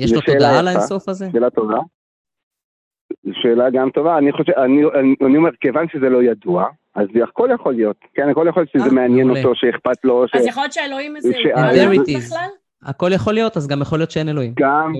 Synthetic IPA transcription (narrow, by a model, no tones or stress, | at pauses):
jezʃeloʃeːlaalaeasofazeʃeːlat̪ova | eʃeːlaɡamto̞vaːniχoʃeaniaanio̞meʁkevanʃezelo̞jadua | azakoljaχo̞lijo̞t̪kenaniχoljaχoljotʃezemeanjenot̪o̞ʃeːχpat̪lo̞ʃejχoljotʃeeloimʃeaeʁiiz | ha̰ko̞ljaχo̞lijo̞t̪azɡamjaχolijo̞t̪ʃeenelo̞imɡam